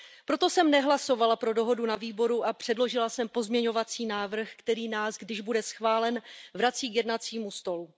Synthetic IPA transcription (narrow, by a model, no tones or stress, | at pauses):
pɾo̞t̪o̞sɛmnɛɦlaso̞valapɾo̞do̞ɦo̞dunaviːbo̞ɾuʔapr̝̥ɛdlo̞ʒɪlasɛmpo̞zmɲɛɲo̞vat͡siːnaːvr̩xkt̪ɛɾiːnaːsɡdɪʒbudɛsxvaːlɛnvɾat͡siːkjɛdnat͡siːmust̪o̞lu